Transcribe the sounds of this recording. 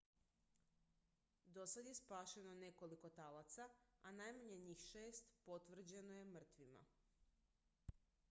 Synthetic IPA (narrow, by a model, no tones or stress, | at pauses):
d̪o̞sad̪je̞spaːʃeno̞ne̞ko̞liko̞t̪alat̪saanajmaɲeɲixʃe̞ːst̪po̞t̪ʋr̩d͡ʑe̞noje̞mr̩t̪ʋima̰